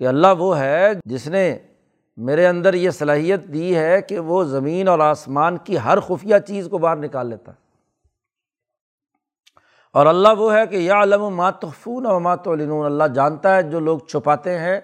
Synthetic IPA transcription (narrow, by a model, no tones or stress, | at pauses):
keɐlːaɦʋoɦɛd͡ʒɪsne | meːɾeɐ̃nd̪əɾjesɐlaːɦijət̪̚d̪iɦɛkeʋozɐmiːnɔːɾaːsmaːnkiɦɐɾxʊfijat͡ʃiːzkobaːɾnɪkaːlːeːt̪a̰ɦɛ | ɔːɾɐlːaɦʋoɦɛkejaʕləmumaːt̪ʊxfuːnɐʋɐmaːt̪ʊlɪnuːnɐlːaɦd͡ʒãːnt̪aɦɛd͡ʒoːloːɡ̚t͡ʃʰʊpaːt̪eɦɛ̃ː